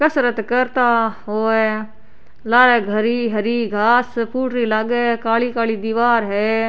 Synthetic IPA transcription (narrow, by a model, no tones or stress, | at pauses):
kəsɾət̪kəɾt̪aɦoːɛ | laːɽeɡʱəɾiːɦəɾiːɡʱaːspuːʈɾiləɡkaːlikaːlid̪iːʋaːɾɦɛː